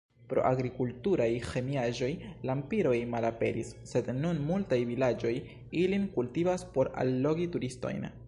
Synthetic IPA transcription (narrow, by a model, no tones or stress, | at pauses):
pɾo̞̰ʔaɡɾikultuɾajxe̞miaʒo̞jlampiɾo̞jmalape̞̰ɾḭsːe̞dnunmultajvilad͡ʒo̞j | ilinkultivaspo̞ɾa̰lːo̞ɡituɾisto̞̰jn